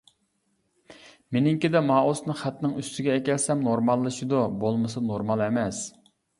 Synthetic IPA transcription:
menɪŋkʲid̪ɛmɑːosnɨχæt̪nɪŋyst̪ʰɪɡʲɛɛkʲɛlsɛmnoɾmɑlˠːɨʃid̪ubolˠmɨsɨnoɾmɑlˠɛmɛs

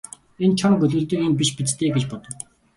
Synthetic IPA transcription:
ent͡ɕʰɔɾŋɡɵɮɵ̆ːɮt̪ĭkinp̬iʃpit͡st̪ʰeːɡet͡ɕpɔt̪ɞ̆w

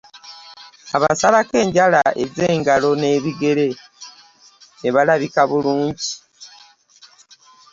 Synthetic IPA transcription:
aβasalake̞ːɲɟalae̞̰ze̞ːŋɡalo̞ne̞ːβiɡe̞ɾe̞ | neβalaβikaβuluːɲɟi

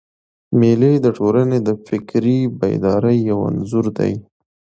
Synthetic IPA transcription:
meled̪əʈolaned̪əfɪkɾiba̰jd̪ɑɾəjːawa̰nzuɾd̪a̰j

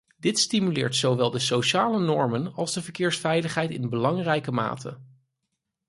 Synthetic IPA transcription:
d̥ɪtstimylɪ̰ːɹtsowʋɛlˠdəsoʃaːlənɔɹmənɑlˠzdəvəɹkɪːɹsfɛjləχɦɛjtɪ̰nbəlɑŋrɛjkəma̰ːtʰə̰

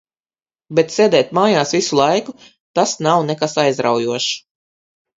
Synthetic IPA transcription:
bet̪seːd̪ɛːt̪maːjaːsvisulˠajku | t̪asnawnɛkasajzɾa̰wjuɔʃ

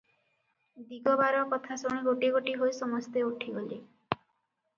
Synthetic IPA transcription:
d̪iɡɔbaɾɔkɔt̪ʰasoɽ̃iɡoʈiɡoʈiɦojsɔmɔst̪euʈʰiɡoli

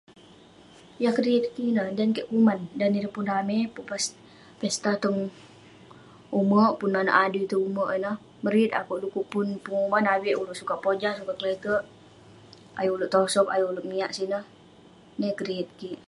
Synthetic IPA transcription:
jahkəɾiit̪̚kinəhdankəʔkumandaniɾəpunramepuʔpas | fɛst̪at̪ɔŋ | uməʔpunmana̰ʔaduit̪uuməʔinəh | məɾit̪a̰koʔlukuʔpunpuŋumanawiʔuluʔsukapod͡ʒasukakəlɛɡəʔ | a̰juuluʔt̪osɔka̰juuloʔmiaʔsinəh | nəkəɾiit̪̚kiʔ

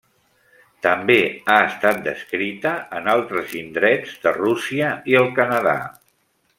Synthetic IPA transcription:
t̪əmbeaəst̪at̪̚d̪ə̰skɾit̪əːnalˠt̪ɾəzind̪ɾɛd͡zðərusiəiəlˠkənəða̰

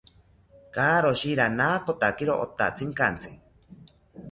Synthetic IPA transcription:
kaːɾoʃiɾanaːkot̪akiɾoʔo̰t̪a̰t͡sʰiŋkant͡sʰɨ̥

